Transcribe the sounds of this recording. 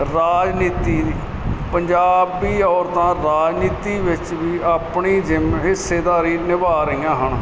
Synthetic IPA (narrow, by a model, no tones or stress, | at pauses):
ɾaːd͡ʒniːt̪iːd̪iː | pəɲd͡ʒaːbiːɔːɾt̪ãːɾaːd͡ʒniːt̪iːʋɪt͡ʃʋiːaːpɳiːd͡ʒɪmɦɪseːd̪aːɾiːnɪbaːɾiːãːɦəɳ